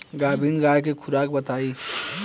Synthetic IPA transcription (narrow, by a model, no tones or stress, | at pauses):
ɡaːbʱinɾaːjk̬ekʰʊɾaːk̚bət̪aːi